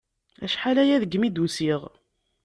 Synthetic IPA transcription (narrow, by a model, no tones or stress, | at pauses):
æ̰ʃħalæjæðəɡmid̪usiʁ